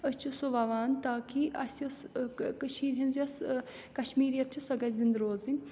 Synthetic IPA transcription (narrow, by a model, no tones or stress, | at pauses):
əst͡ʃʰusoʋɐʋaːnt̪aːkʰiɐsjoskəʃiːɾɦinzjɐs | kɐʃmiːɾjɐt̪̚ʰt͡ʃʰusɐɡɐzind̪ɾoːzi